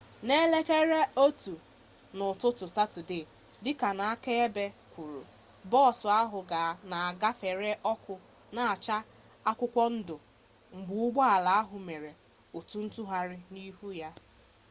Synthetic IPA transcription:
ne˦le˦ke˦ɾe˦o˦tu˨ | nʊ˨tʊ˦tʊ˨sa˦tʊ˨dɪ˨ | dɪ˦ka˨na˨a˦ke˦e˦be˦kʷu˨ɾṵ˨ | bɔ˦˨sʊ˨a˦ɦʊ˨ɡa˨na˨a˨ɡa˦fe˨ɾe˦ʔɔ˦kʷʊ˨ | na˨a˨t͡ʃa˦ | a˦kʷʊ˦kʷɔ˦n̩˦dʊ˨ | ŋ͡m̩˨ɡ͡bʊ˨˦ʊ˦ɡ͡bɔ˦a˨la˨a˦ɦʊ˨me˨ɾe˨ | o˨tu˦n̩˦tu˦ɦa˨ɾɪ˦ni˦ɦu˦ja˦

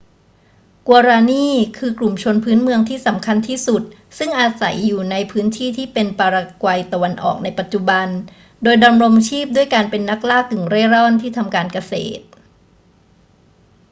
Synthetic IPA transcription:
ku˧ɾaː˧niː˥˩kʰɯː˧klu˨˩mt͡ɕʰo˧npʰɯː˦˥nmɯ˧əŋt̪ʰiː˥˩sa˩˦mkʰa˧nt̪ʰiː˥˩su˨˩t̪̚ | sɯ˥˩ŋʔaː˨˧sa̰˩˦jːuː˨˩na˧jpʰɯː˦˥nt̪ʰiː˥˩t̪ʰiː˥˩pe˧npaː˧ɾa˧kwa˧jt̪a˧wa˧nʔɔ̰ː˨˩k̚na˧jpa˨˩t̪̚t͡ɕu˨˩ba˧n | doː˧jdɔ˧nɾo˧mt͡ɕʰiː˥˩p̚du˥˩əjkaː˧npe˧nːa˦˥k̚laː˥˩kːɯ˨˩ŋɾeː˥˩ɾɔ˥˩nt̪ʰiː˥˩t̪ʰa˧mkaː˧nka˧sḛː˨˩t̪̚

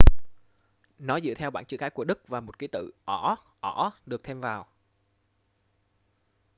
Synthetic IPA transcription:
nɔ˨˦zɨ̰˧˨t̪ʰɛ˧wɓaː˧˨nt͡ɕɨ̰˧˥kaː˨˦jku˧˩əɗɨ˦˥k̚vaː˨˩mo˨˩t̚ki˨˦t̪ɨ̰˧˨ʔɔ˧˩ʔɔ˧˩ɗɨ˨˩ək̚t̪ʰe˧mvaː˨˩w

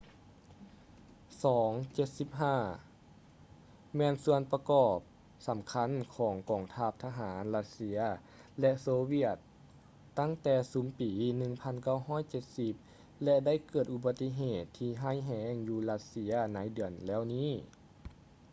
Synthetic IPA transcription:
sɔː˩˦ŋt͡ɕe˧˩t̪̚si˧˦p̚ɦaː˧˥˩ | mɛː˧˨nsu˧ənpa˧kɔː˨˩p̚ | sa˨˦mkʰa˧˥˨nkʰɔː˩˦ŋkɔː˨˩ŋt̪ʰaː˧˩p̚t̪ʰa˧ɦaː˩˦nla˧t̪̚si˧˥ɐ | lɛ˧ʔsoː˧wi˧˩ət̪ː | a˥˩˨ŋt̪ɛː˧˩suː˨˦mpiː˨˦nɯ˧ŋpʰa˧˥˨nka˥˩˨wɦɔː˧˥˨jt͡ɕe˧˦t̪̚si˧˦p̚ | lɛ˧da˥˨jkɤː˨˩t̪̚ʔu˧˩ba˧t̪ːi˧˥ɦeː˨˩t̪ʰːiː˧ɦaː˥˨jɦɛː˧˥ŋjuː˧la˧˥t̪̚si˧˥ɐna˨˧˥jdɯ˨˩ənlɛː˥˩˨wniː˥˩˨

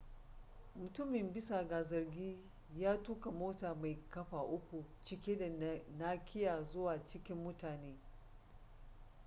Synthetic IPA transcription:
mʊ˨tʊ˦mɪ˨mbɪ˦sa˨ɡaː˨zɐ˨rɡʲiː˦ | jaː˦tuː˦ka˨moː˦taː˨ma˨jkɐ˦ɸaː˨ʔʊ˦kʷu˨t͡ʃɪ˦kʲeː˦da˨naː˦kʲʰɪ˦jaː˨zʊ˦waː˨t͡ʃɪ˦kʲɪ˦mːʊ˦taː˨neː˦

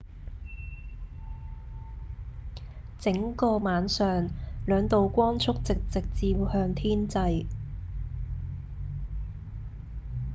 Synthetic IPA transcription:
t͡sɪ˨˥ŋkɔː˧maː˨˥nsœː˨ŋlœː˨˧ŋt̪o˨wkʷɔː˥nt͡ʃʰʊ˥k̚t͡sɪ˨k̚t͡sɪ˨k̚t͡siː˧phœː˧ŋt̪ʰiː˥nt͡sɐ˧j

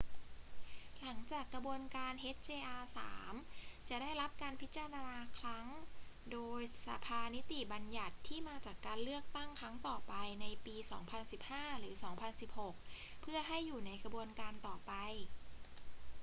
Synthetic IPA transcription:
la˩˦ŋt͡ɕaː˨˩kʰːa˧bu˧ənkaː˧nʔe˦˥t̪̚t͡ɕeː˧ʔaː˧sa̰ː˩˦mt͡ɕa˨˩daː˥˩jɾa˦˥p̚kaː˧npʰi˦˥t̪̚t͡ɕa˧aː˧naː˧kʰɾa˦˥ŋdoː˧jsa˨˦pʰaː˧ni˦˥t̪i˨˩ba˧nja˨˩t̪ʰːiː˥˩maː˧t͡ɕaː˨˩kːaː˧nlɯ˥˩ək̚t̪a˥˩ŋkʰɾa˦˥ŋt̪ɔː˨˩pa˧jna˧jpiː˧sɔː˩˦ŋpʰa˧nsi˨˩p̚haː˥˩ɾɯː˩˦sɔː˩˦ŋpʰa˧nsi˨˩p̚ho˨˩k̚pʰɯ˥˩ɐɦa˥˩jːuː˨˩na˧jkʰa˧bu˧ənkaː˧nt̪ɔː˨˩pa˧j

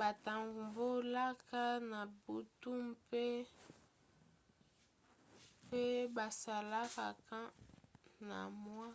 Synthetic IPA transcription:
ba˨ta˨ŋɡu˨mbo˦la˦ka˦na˨bu˨tu˦mpe˦ | pe˦ba˨sa˨la˦ka˨ka˦ | na̰˨mwa˦

